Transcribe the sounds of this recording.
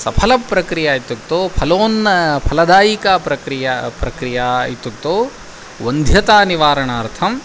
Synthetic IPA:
sɐpʰɐlɐpːɾɐkɾijaːit̪ːuk̚t̪oːpʰɐloːnpʰɐlɐd̪aːjikaːpɾɐkɾijapɾɐkɾijait̪ːuk̚t̪oː | ʋɐnd̪ʱjɐt̪aːniʋaːɾɐɳaːɾt̪ʰɐm

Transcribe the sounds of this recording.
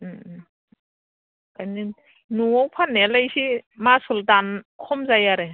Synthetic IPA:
kajnin | nuɔwpʰanelajsimasultankʰɔmzajaɾe

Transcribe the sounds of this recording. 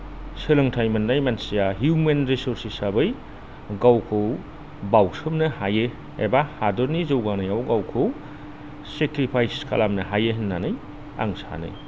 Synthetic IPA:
sɯlɯŋtʰajmɐnːajmansijaɦjumenɾisuɾsisabɯj | ɡawkʰɯw | bawsɯmnɯhaje | ebahadɔɾnizɯwɡanɯjawɡawkʰɯw | sekɾipʰajskʰa̰lamnɯɦajeɦinːanɯj | a̰ŋsa̰nɯ̰j

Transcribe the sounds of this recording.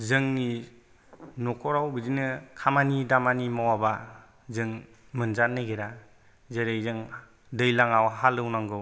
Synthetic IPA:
zɯŋni | nɔkʰɔɾawbɯzinɯkʰamanidamanimawaba | zɯŋ | mɯnzanːɯɡeɾa | zeɾejzɯŋ | dɯjlaŋawɦalːɯwnaŋɡɯw

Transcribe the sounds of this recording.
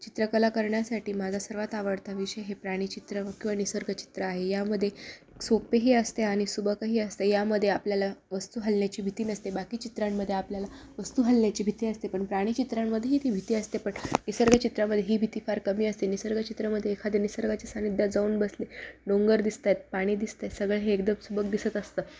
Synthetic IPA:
t͡ɕit̪ɾəkəlakəɾɳjasaʈʰiːmad͡zʱasəɾʋat̪aʋəɽt̪aʋiɕəjɦepɾaɽ̃iːt͡ɕit̪ɾəkĩw̃ʋanisəɾɡət͡ɕi̥t̪ɾəaɦejaməd̪ʱːje | ksopeɦiːəst̪eaɽ̃isubʱəkaɦiːəst̪ejaməd̪ʱːjeapljalaʋəst̪uːɦəlnjat͡ɕiːbʱit̪iːnəst̪ebakiːt͡ɕit̪ɾamːəd̪ʱːjeapljalaʋəst̪uːɦəlnjat͡ɕiːbʱit̪iːəst̪epəɳpɾaɽ̃iːt͡ɕit̪ɾamːəd̪ʱːjeɦiːt̪ibʱit̪iːəst̪epəɳnisəɾɡət͡ɕit̪ɾaməd̪ʱːjeɦiːbʱit̪iːfaɾkəmiːəst̪enisəɾɡat͡ɕit̪ɾəməd̪ʱːjeːkʰad̪enisəɾɡat͡ɕesanid̪ʱjad͡zauːnbəsliɖoŋɡəɾd̪ist̪at̪̚paɽ̃iːd̪ist̪at̪səɡɭəɦeːkd̪əmsubəkd̪isət̪əst̪əː

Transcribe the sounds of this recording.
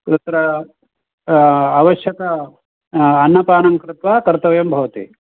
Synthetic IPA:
kɾɨt̪ɾɐ | ʋɐʃjɐkɐ | ɐnːɐpaːnɐŋkɾɪt̪ʋaːkɐɾt̪ɐʋjɐmbʱɐʋɐt̪ḭ

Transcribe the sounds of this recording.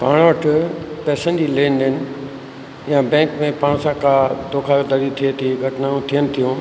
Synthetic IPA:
paːɽ̃ʋəʈʰʊpɛːsənd͡ʑileːnd̪ɪnɪ̆ | jãbɛ̃ːŋkmẽpaːɽ̃sãkʰad̪oːkʰad̪aɾit̪ʰiet̪ʰiɡʱɐʈnãt̪ʰijənɪ̆t̪ʰijũː

